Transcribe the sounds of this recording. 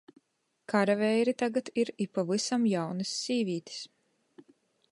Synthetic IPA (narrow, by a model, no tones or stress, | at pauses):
kaɾavɛjɾit̪aɡat̪iɾipavɨsamjawnɨsːiːviːt̪i̥s